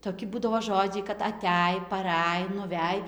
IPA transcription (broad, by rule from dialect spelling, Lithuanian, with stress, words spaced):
toːˈkʲɪ ˈbuːdɐʋoː ˈʒoːd͡ʒʲɛɪ kɐt ɐˈtʲæj pɐˈrʲæj nʊˈʋʲæj